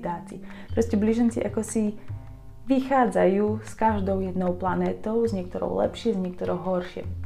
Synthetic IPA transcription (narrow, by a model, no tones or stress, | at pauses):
d̪aːt͡sḭ | pɾɔscɛbliʒɛnt͡sḭʔakɔsi | ʋixaːd͡zajuːskaʒd̪ɔʊjɛd̪nɔʊplanɛːt̪ɔʊzɲɪɛk̚t̪ɔɾɔ̰ʊlɛ̰pʃɪɛzɲɛk̚t̪ɔɾɔʊɦɔɾʃɪɛ̰